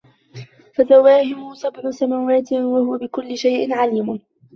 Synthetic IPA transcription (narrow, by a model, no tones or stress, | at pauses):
fazawːaːhɪmʊsabʕʊsamaːwaːt̪ɪwahʊwabɪkʊlːɪʃajʔɪnʕaliːmʊ